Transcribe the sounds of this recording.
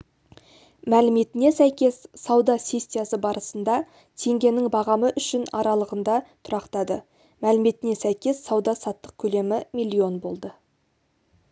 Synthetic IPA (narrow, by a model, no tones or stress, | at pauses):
mælɪme̞t̪ɪne̞sæjkʲe̞ssɑwd̪ɑsʲe̞sʲt̪ːijasəbɑɾəsənd̪ɑ | t̪ʰe̞ŋɡʲe̞nɪŋbɑʁɑməʔʏʃɪnɑɾɑlˠəʁənd̪ɑt̪ʰʊɾɑqt̪ɑd̪ə | mælɪme̞t̪ɪne̞sæjkʲe̞sːɑwd̪ɑsɑt̪ːəq̚kʲʰɵle̞mɪmilʲːio̞nbo̞̰lˠd̪ə